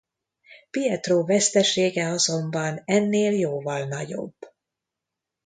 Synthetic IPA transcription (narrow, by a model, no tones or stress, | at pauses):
piɛt̪roːvɛst̪ɛʃeːɡɛɒzo̞mbɒnɛnːeːljoːvɒlnɒɟo̞̰b̥ː